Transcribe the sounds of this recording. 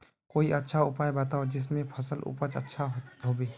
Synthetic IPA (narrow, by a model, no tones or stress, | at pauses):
koːiʔɐtːʃʰaʊpaːjbɐt̪aːod͡ʒɪs̬mẽpʰəsəlʊ̰pət͡ʃɐ̰tːʃʰaɦoːbeː